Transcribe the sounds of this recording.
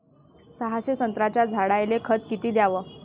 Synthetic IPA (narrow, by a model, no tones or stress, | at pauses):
səɦaɕəsənt̪ɾat͡ɕjad͡zʱaɽajlekʰət̪kit̪iːd̪jaʋə